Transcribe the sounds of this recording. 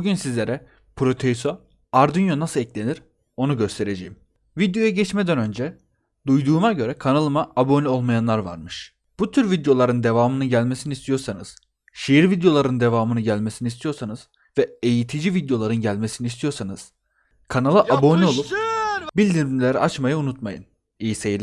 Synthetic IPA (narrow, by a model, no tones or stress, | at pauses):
buɟynsizlʲe̞ɾɛ | pʰɾo̞t̪ʰeso | aɾd̪ynjonasɯlˠɛclʲe̞niɾ | o̞nuɟø̞st̪ʰe̞ɾe̞d͡ʒejim | vid̪jo̞jaɟɛt͡ʃmɛd̪ænø̞nd͡ʒɛ | d̪ujd̪uːmaɟø̞ɾɛkʰanalˠɯmaabo̞nʲiolˠmajanlˠaɾva̰ɾmɯʃ | b̥ut̪ʰyɾvid̪jo̞lˠaɾɯnd̪e̞vaːmɯnɯɟælʲme̞sinist̪ʰijo̞ɾsanɯz̥ | ʃejiɾvid̪jo̞lˠaɾɯnd̪e̞vaːmɯnɯɟælʲmesinist̪ʰijo̞ɾsanɯz̥ | vɛejit̪ʰid͡ʒivid̪jo̞lˠaɾɯnɟælʲme̞sinist̪ʰijo̞ɾsanɯz̥ | kʰanalˠɯʔabo̞nʲio̞lˠupbilʲd̪iɾmilʲeɾiʔat͡ʃmajɯunut̪majɯ̰n | ijsejilʲ